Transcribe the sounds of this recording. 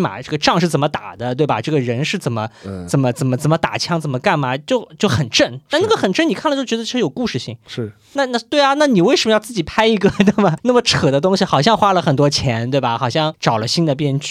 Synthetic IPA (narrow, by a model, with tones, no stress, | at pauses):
ma̰˨˩ʈ͡ʂɤ˥˩ɡə˩ʈ͡ʂɑ˥˧ŋʂɻ̩˥˩t͡sə˨˩mə˦t̪a̰˨˩d̪ə˦t̪we˥˩ɪbɐ˩ʈ͡ʂɤ˥˩ɡə˩ɻə˧˥nʂɻ̩˥˩t͡sə˨˩nmə˦t͡sə˨˩nmə˦t͡sə˨˩nmə˦t͡sə˨˩mə˦t̪a̰˨˩t͡ɕʰjɑ˥ŋt͡sə˨˩nmə˦ka˥˩nmɐ˩t͡ɕjo˥˩ʊt͡ɕjo˥˩ʊxə˨˩nʈ͡ʂə˥˩nt̪a˥˧na˥˩ɡə˩xə˨˩nʈ͡ʂə˥˩ni˨˩kʰa˥˩lə˨˩t͡ɕo˥˩t͡ɕɥɛ˧˥d̪ʰʂɻ̩˥jo˨˩ʊku˥˧ʂɻ̩˥˧ɕḭ˥˩ŋʂ̩˥˩ | na˥˧na˥˩t̪we˥˩ɪɐ˩na˥˩ni˨˩we˥˩ɪʂə˧˥mə˧jt͡sɹ̩˥˩t͡ɕi˨˩pʰa˥ɪi˧˥ɡə˧d̪ə˥˩mɐ˩na˥˩mə˩ʈ͡ʂʰɤ˨˩d̪ə˦t̪̬ʊ˥ŋɕi˨xɑ˨˩ʊɕ̬jɑ˥˧ŋxwa˥lə˨xə˨˩nt̪wɔ˥t͡ɕʰjɛ˧˥nt̪we˥˩ɪbɐ˩xɑ˨˩ʊɕ̬jɑ˥˩ŋʈ͡ʂɑ˨˩ʊlə˦ɕi˥nd̪ə˨pjɛ˥˧nt͡ɕy˥˩